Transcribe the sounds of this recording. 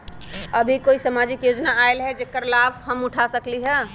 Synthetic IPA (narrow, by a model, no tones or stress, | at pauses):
əbʱikoisamad͡ʒikjod͡ʒnaaelɦɛd͡ʒekəɾlabɦəmuʈʰasəkliɦɛ